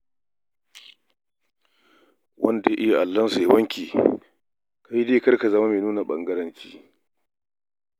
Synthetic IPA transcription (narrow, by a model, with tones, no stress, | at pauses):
wʔɐ˦nda˨je˦ʔɪ˦ja˨ʔa˨lːɐ˦nsu˨ja˦wɐ˦ŋkʲiː˨ | ka˦ji˦deː˦kɐ˦rka˨zɐ˦ma˦meː˨nuː˦na˨ɓɐ˦ŋɡɐ˦ɾɐ˦nt͡ʃḭː˦